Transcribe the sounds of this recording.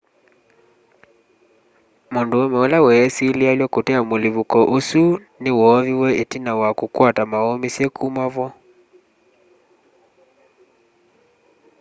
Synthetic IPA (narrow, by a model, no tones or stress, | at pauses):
monduɔmɛɔlawɛːsilialjwɔkotɛamoliβukɔʔosu | newɔːviwɛetinawakukwatamaɔmisɛkʰumaβɔ